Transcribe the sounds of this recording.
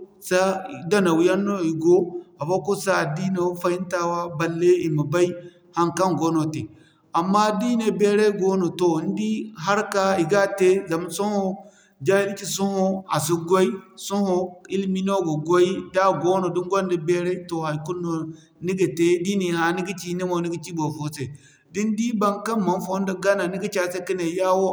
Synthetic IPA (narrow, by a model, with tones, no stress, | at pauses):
sa˦˨da˦na˨wi˨˦ja˦nːo˦i˨ɡo˦a˨fa˦ko˦sa˦˨di˦ne˨˦fa˦i˦nta˦wa˦ba˨lːe˦i˨ma˨ba˦i˦ | ha˦nka˦ŋɡo˦no˨te˨ | a˨mːa˦di˦ne˨be˦ɾe˦ɡo˦no˨to˨˦n˦di˦ɦa˦ɾka˦i˨ɡa˦te˦za˨ma˨so˦ho˦ | d͡ʒa˦i˦di˦t͡ʃi˨su˦ho˦a̰˨su˨ɡʷo˦i˦su˦ho˨i˦lmi˦no˦ɡo˨ɡo˦i˦da˦ɡo˦no˨di˦ŋɡʷo˦ndi˨be˦ɾe˦to˨ha˨ku˦nːo˨ | ni˦ɡa˨te˨˦di˦ni˨ha˨ni˦ɡi˦t͡ʃi˦ne˦mo˨ni˦ɡi˦t͡ʃi˦bo˨fo˨se˨ | di˦n˦di˦ba˦nka˦ma˨nfo˦n˦da˦ɡa˦na˨ni˦ɡi˦t͡ʃa˦se˦ki˦ne˨ja˦wo˦